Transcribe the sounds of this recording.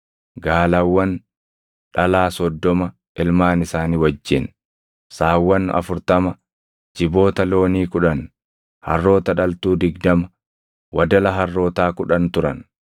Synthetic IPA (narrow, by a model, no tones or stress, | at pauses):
ɡaːlɐwːɐn | ᶑɐlaːsɔd̪ːɔmɐ | ɪlmaːnɪsaːniːwɐd͡ʒːɪn | saːwːɐnɐ̰fʊɾt̪ɐmɐ | d͡ʒɪbo̞ːt̪ɐlo̞ːniːkʊᶑɐn | hɐ̰rːo̞ːt̪ɐᶑɐlt̪uːd̪ɪɡd̪ɐmɐ | wɐd̪ɐlɐɦɐrːo̞ːt̪aːkʊᶑɐnt̪ʊɾɐn